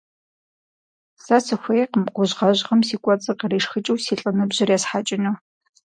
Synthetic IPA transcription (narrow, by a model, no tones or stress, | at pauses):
sasɨxʷɐjeqəmqʷʊʑʁɐʑʁɐmsiːkʷʼɔt͡sʼɨqəreːʂxɨt͡ʃʼiwsiːɬʼɐnɨbʑ̥ɪrjɛsħaːt͡ʃʼɪnɐ